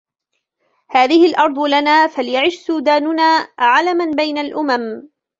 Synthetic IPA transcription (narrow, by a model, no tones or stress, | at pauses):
haːðɪhɪlʔɑɾˤd̪ˤʊlanaːfalɪjaʕɪʃsuːd̪aːnʊnaːʕalamanbajnalʔʊmam